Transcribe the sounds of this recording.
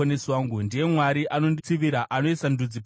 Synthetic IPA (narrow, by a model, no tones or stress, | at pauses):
oneswaːŋɡundije̞mwaɾiʔano̞ndit͡siʋiɾaʔano̞isandud͡zip